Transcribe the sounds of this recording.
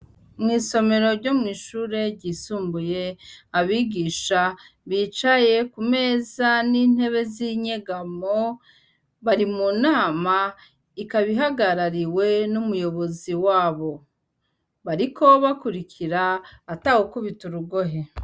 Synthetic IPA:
mŋiːso̞me̞ɾo̞ɾɟo̞mŋiːʃuːɾe̞ɟiːsuːmbuje̞aβiɡiːʃa | βiːt͡ʃaje̞kume̞ːzanin̥he̞βe̞ziɲeɡamo | βaɾimunaːma | ikaβiɦaɡaɾaɾiwe̞numujo̞βo̞ziwaːβo̞ | βaɾiko̞βakuɾikiɾaːtahokuβituɾuɡoɦe

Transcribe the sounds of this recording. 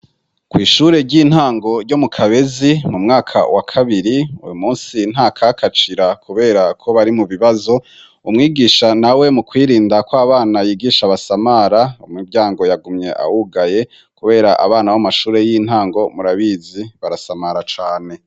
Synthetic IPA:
kwiːʃuːɾe̞ɾɟin̥haːŋɡo̞ɾɟo̞mukʰaβe̞zimumŋaːkʰa̰wakʰaβiɾiṵjumuːnsin̥akʰakʰat͡ʃiɾakʰuβe̞ːɾakʰo̞βaɾimuβiβazo̞ | umŋiːɡiːʃanawe̞mukwiːɾiːndakwaːβaːnajiːɡiːʃaβasamaɾaumibɟaːŋɡo̞jaɡumɲe̞̰ʔa̰wuɡaje̞ | kuβe̞ːɾaʔa̰βaːnawamaʃuːɾe̞jin̥haːŋɡo̞muɾaβiːziβaɾasamaɾat͡ʃaːne̞

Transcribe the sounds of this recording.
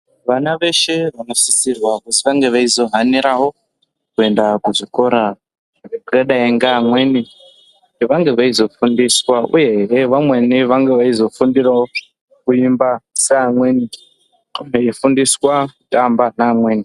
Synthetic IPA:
ʋanaʋe̞ʃe̞ʋano̞sisirwakutiʋaŋɡe̞ʋaizo̞ɦaniɾawo̞ | kue̞ndakuʐiko̞ɾa | rekreɗaeŋɡaːmwe̞ni | kutiʋaŋɡe̞ʋaizo̞fundiswaṵje̞ɦɾeʋamwe̞niʋaŋɡe̞ʋaizo̞fundirao | kuimbaseamweni | meifundiswakutambanaːmwe̞ːni

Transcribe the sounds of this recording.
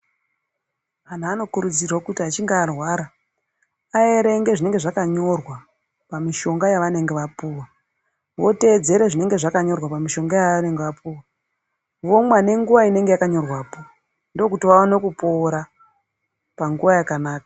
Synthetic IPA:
ʋan̤uano̞kuɾud͡zirwakutiɦat͡ʃiŋɡaːrwaːɾa | ae̞ɾe̞ŋɡe̞ʐine̞ŋɡe̞ʐakaɲo̞rwa | pamiʃo̞ŋɡajaʋane̞ŋɡe̞ʋapuːwa | ʋo̞te̞ːd͡ze̞ɾeʐine̞ŋɡe̞ʐakaɲo̞rwapamiʃo̞ŋɡajaʋane̞ŋɡeʋapuːwa | ʋo̞mwane̞ŋɡuʋaine̞ŋɡe̞jakaɲo̞rwaːpo | ndookutiʋaanokupo̞ːɾa | paŋɡuʋajakanaːkḁ

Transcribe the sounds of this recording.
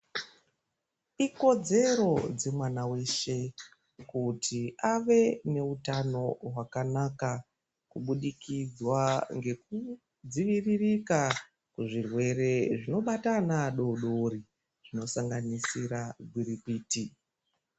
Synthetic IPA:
iko̞d͡ze̞ɾo̞d͡ze̞mwanawe̞ʃe̞ | kutʰiaʋe̞ne̞utano̞ɦwakanaka | kuɓuɗikid͡zwaŋɡe̞ku | d͡ziʋiririka | kuʐirwe̞ɾe̞ʐino̞ɓatanaɗo̞ɗo̞ri | ʐ̥ino̞saŋɡanisiɾaɡʱwiɾipiːti

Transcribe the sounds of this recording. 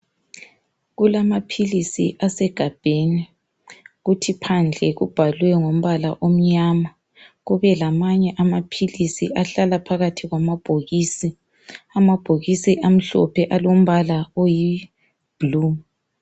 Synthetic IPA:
ɣulamapʰilisḭʔasɛɡ̥ʱab̥ʱeni | ɣutʰipʰand͡ɮʱɛɣṵb̥ʱalwɛŋom̩βala̰ʔom̩ɲama | ɣuβɛlamaɲɛʔamapʰilisiʔaɬalapʰaɣatʰiɣwamab̥ʱoɣiːsi | amab̥ʱoɣisiʔam̩ɬɔ̰pʰɛʔalom̩βalaoji | b̥ʱluːm

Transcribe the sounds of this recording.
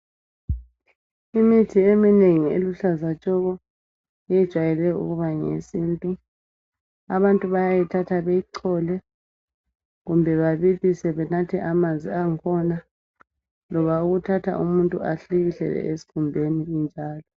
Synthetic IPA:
imitʰiemineŋiḛluɬazat͡ʃʼɔɣɔ | ɛjɛd̥ʒ̥ʱwajɛlɛjɔṵɣuβaŋḛsiːntʼu | a̰βantʼuβajajitʰatʰaβejiǀʰɔlɛ | ɣumbʱɛβaβiβisɛβɛnatʰɛʔamanzʱiaŋkʰɔna | lɔβauɣutʰatʰa̰ʔumuntʼṵʔaɬiɣiɬɛ̰lɛ̰ʔesi̥kʰumbʱeniɣind͡ʒʱaːlɔ

